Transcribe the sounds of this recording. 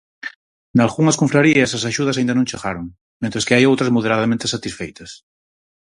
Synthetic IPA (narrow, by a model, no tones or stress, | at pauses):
nalɣuŋɐskoɱfɾaɾiesasaʃuð̞ɐsaind̪ɐnõŋt͡ʃaɣaɾoŋ | mẽnt̪ɾeskeajowt̪ɾɐzmoð̞eɾaðamẽnt̪esat̪isfejt̪ɐs